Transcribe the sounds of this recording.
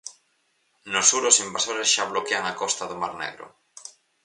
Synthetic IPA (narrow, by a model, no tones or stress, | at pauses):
nosuɾosimbasoɾesʃaβlokeaŋakɔst̪aðomaɾnḛɣɾo̰